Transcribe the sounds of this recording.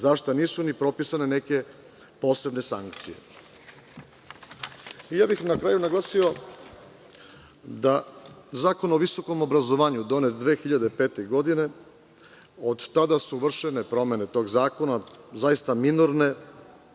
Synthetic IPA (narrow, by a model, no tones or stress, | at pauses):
zaʃt̪aniːsunipɾo̞pisane̞neke̞ | po̞ːse̞bne̞sa̰ŋkt̪sije̞̰ | ijaːbixnakɾaːjunaɡlˠaːsio̞ | d̪azaːko̞no̞ʋiso̞ko̞mo̞bɾazo̞ʋaːɲud̪o̞net̪̚d̪ʋeːxiʎad̪epe̞ːt̪eɡo̞d̪ine̞ | od̪t̪ad̪asuʋr̩ʃene̞pɾo̞me̞ne̞t̪o̞ːɡzaːko̞nazajist̪aminuɾne̞